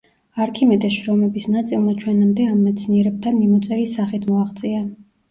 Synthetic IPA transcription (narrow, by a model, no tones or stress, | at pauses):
aɾkʰimɛd̪ɛʃɾɔmɛbisnat̪sʼilˠmat͡ʃʰwɛnamd̪ɛamːɛt̪sʰniɛɾɛb̚t̪ʰanmimɔt̪sʼɛɾisaχit̪ʰmɔaχt̪sʼia